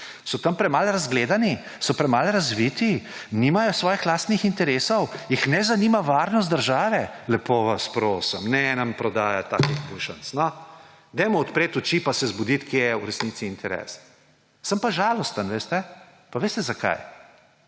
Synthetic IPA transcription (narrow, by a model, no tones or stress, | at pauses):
sɔt̪ɐmpɾɛmalɾazɡleːd̪ani | sɔpɾɛmalɾazʋit̪inimajɔsʋɔːjixlaːst̪nixint̪ɛɾeːsɔwjixnɛzanimaʋaɾnɔst̪̚d̪əɾʒaːʋɛlɛpoːʋaspɾoːsəmnɛnɐmpɾɔd̪aːjat̪a̰ːkixbulʃə̰nsnɔ | d̪ɛmɔːt̪pɾeːt̪ut͡ʃipasɛzbɔd̪it̪kʰeːjɛuɾɛsnit̪siːnt̪ʰɛɾɛ̰s | səmpaʒaːlɔst̪ənʋeːst̪ɛ | paʋeːst̪ɛzaka̰j